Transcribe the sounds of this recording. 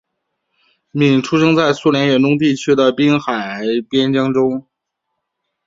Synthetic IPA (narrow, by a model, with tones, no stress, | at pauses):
mi˨˩ŋʈ͡ʂʰu˥ʂɤ˥ŋt͡sa˥˩ɪsu˥˩ljɛ˧˥nɥɛ˨˥˩nʈ͡ʂʊ˥ŋt̪̬i˥˩t͡ɕʰy˥d̪ə˨pi˥nxa˨˩ɪpjɛ˥nt͡ɕjɑ˥ŋʈ͡ʂʊ˥ŋ